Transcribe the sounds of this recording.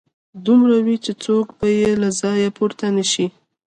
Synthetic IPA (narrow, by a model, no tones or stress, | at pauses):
d̪umɾawit͡ʃet͡sokbajelazɑjapuɾt̪anəʃi